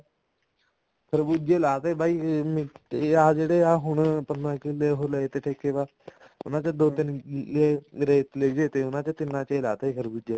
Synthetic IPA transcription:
kʰəɾbuːd͡ʒeːlaːt̪eːbaːiːmɪaːd͡ʒeːɽeːaːɦʊɳpənãːkɪleːɦoːleːt̪eːʈʰeːkːeːbaː | ʊnãːt͡ʃəd̪oːt̪ɪneːɾeːt̪leːd͡ʒeːt̪eːʊnãːt͡ʃət̪ɪnːãːt͡ʃela̰ːt̪eekʰəɾbuːd͡ʒeː

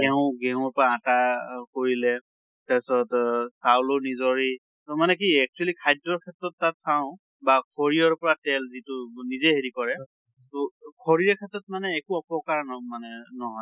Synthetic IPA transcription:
ɡɛʊ̃ɡɛʊ̃pɔɹaːtakoɹilɛ | tɛsɔtsawlɔnizɔɹi | tɔmanɛk̬iɛk̚t͡ʃuɛlikʰajdɔɹkʰɛtɹɔtːatsaʊ̃ | bakʰɔɹiɔɹpɔɹatɛlzitʊnizeɦeɹikɔɹɛ | tɔkʰɔɹiɹɛkʰɛtɹɔt̚manɛːkuɔpɔkaɹnmanɛnɔɦɔj

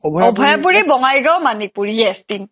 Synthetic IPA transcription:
bʱɔbʱɔjapuɹibɔŋajɡawmanipuɹijɛstin

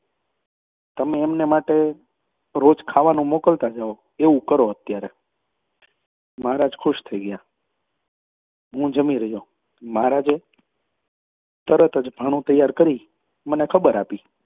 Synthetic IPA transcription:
t̪əmeːmnemaʈe | ɾod͡ʒkʰaʋanũmokəlt̪ad͡ʒao | eʋũkəɾoət̪jaɾe | maɾad͡ʒkʰʊʃt̪ʰəiɡəja | ɦũd͡ʒəmiɾəɦjo | maɾad͡ʒe | t̪əɾət̪əd͡ʒbʱəɽ̃ũt̪əjːaɾkəɾi | mənekʰəbəɾapi

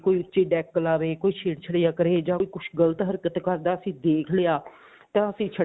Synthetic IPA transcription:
koːiːʊtːʃeːɖɛːkːəlaːʋeːkoːiːʃʰeːɽt͡ʃʰəɽejaːkəɾeːd͡ʒãːiːkʊt͡ʃʰɡələt̪ɦəɾkət̪kəɾd̪aːəsĩːd̪eːkʰleːaː | t̪ãːəsĩːt͡ʃʰə

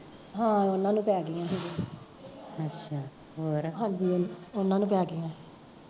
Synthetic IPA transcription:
ɦãːʊnãːnũːpɛːɡeːãːɦeːd͡ʒiː | ətːʃʰaː | ɦoːɾɦãːɲd͡ʒiːʊnãːnũːpɛːɡeːãː

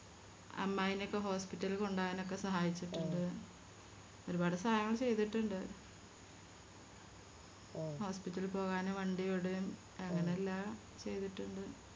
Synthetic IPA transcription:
ɐ̰mːaːjinokːeɦo̞ːspitːɐlilko̞ɳɖaːʋino̞kːe̞sɐɦaːjit͡ɕːiʈːuɳɖɨ | o̞ɾubaːɽɐsaːjɐŋːɐɭt͡ɕe̞jt̪iʈːuɳɖɨ | ho̞ːspitːɐlpo̞ːɣaːneʋɐɳɖijoɽeum | eŋːɐneɐlːaː | t͡ɕe̞jt̪iʈːuɳɖɨ

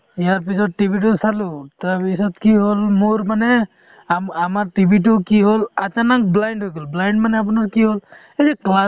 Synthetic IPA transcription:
ijaɹp̬isɔtːibʱit̬usalutapisɔt̚kiɦolmuɾmanɛ | aamaɹtibʱit̬ukiɦolatanak̚blajndɦojɡɔlblajndmanɛap̬unakiɦol | eɾikla

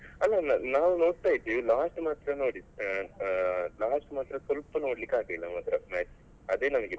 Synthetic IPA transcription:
ɐlːannaːʋuno̞ːɽt̪aːjt̪ːulaːʂʈmaːt̪ɾɐnoːɽi | laːsʈmaːt̪ɾɐsɔlpɐno̞ːɽlikːaːɡelːɐmɐt̪ɾɐnaːi | ɐd̪e̞ːnɐmɐɡe

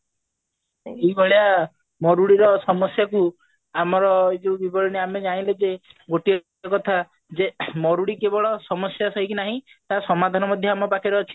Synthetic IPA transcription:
eboɭja | mɔɾuɽiɾɔsɔmɔsjaku | amɔɾɔiʈubibɔɽɔneamed͡ʒaɽ̃ĩled͡ʒeɡoʈi | kɔt̪ʰa | d͡ʒemɔɾuɽikebɔɭɔsɔmɔsjasɔɦikinaɦĩ | t̪asɔmad̪ʱanɔmɔd̪ʱjɔamɔpakʰiɾeɔt͡ʃʰi̥

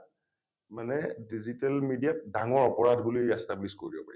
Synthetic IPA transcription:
manɛdizitɛlmidijat̚daŋɔɹɔpɔɹadbulijɛstablisko̰ɹibɔ̰paɹi

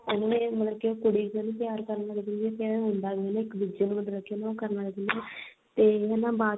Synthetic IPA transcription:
ʊnãːnẽmət̪ləbkeoːkʊɽiːãːnũːt̪ɪjaːɾkəɾnaːləɡɪnd̪iɛːp̪ʰeãɦʊ̃nd̪aːɡenãːɪkbid͡ʒenũːmət̪ləkeonãːokəɾnaːləɡɪnd̪iaː | t̪eːɛnãːbaː

